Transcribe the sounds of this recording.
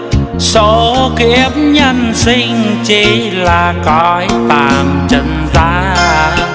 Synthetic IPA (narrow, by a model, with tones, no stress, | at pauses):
so˨˦ki˧˥əm̚ɲə˧nsi˧ŋ̟t͡ɕi˧˩ | laː˨˩kɔ˧˦jt̪aː˨˩mt͡ɕə˧˩nzaː˧˦